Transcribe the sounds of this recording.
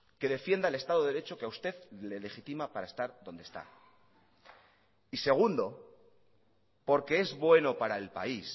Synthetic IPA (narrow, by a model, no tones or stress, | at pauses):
ke̞ðe̞fje̞nd̪aele̞st̪aðo̞eɾe̞t͡ʃo̞keaust̪e̞ðle̞le̞xit̪imapaɾae̞st̪aɾðo̞nd̪est̪a̰ | ise̞ɣ̞und̪o̞ | po̞ɾke̞e̞zβwe̞no̞paɾae̞lpa̰is